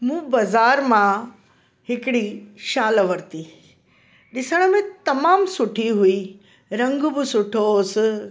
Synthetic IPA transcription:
mũːbɐzaːɾmã | hɪkɽiʃaːləʋəɾt̪i | ɗɪsəɽ̃əmẽt̪ɐmaːmsʊʈʰiɦuiː | ɾɐ̃ŋɡbɪsʊʈʰos

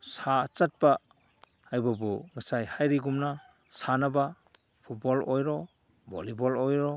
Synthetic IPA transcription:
sat͡ʃat̚ba | ajbabuŋɯsajhajɾiɡumna | sanaba | pʰut̚bɔlojɾɔ | bɔ̰libɔlojɾɔ

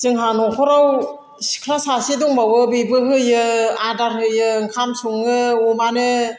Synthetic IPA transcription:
t͡ʃɯŋɦanɔkʰɔɾaw | si̥kʰɾasasiduŋbawɯbibɯhɯjɯadaɾhɯjɯŋkʰansuŋɯumanɯ

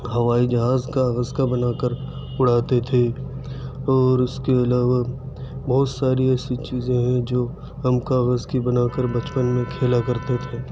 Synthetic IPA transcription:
ɦɐʋaːid͡ʒɐɦaːzkaɣəzkabɐnaːkəɾ | ʊɽ̤aːt̪et̪ʰe | ɔːɾʊskeɐlaːʋa | bɔːt̪saːɾiɛːsit͡ʃiːzẽɦɛ̃d͡ʒoː | ɦɐmkaːɣəzkibɐnaːkəɾbɐt͡ʃpənmẽkʰeːlakɐɾt̪et̪ʰeː

